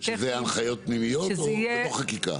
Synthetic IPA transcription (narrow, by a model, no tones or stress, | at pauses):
ʃezeanχajo̞t̪̚pnimijotooχakika̰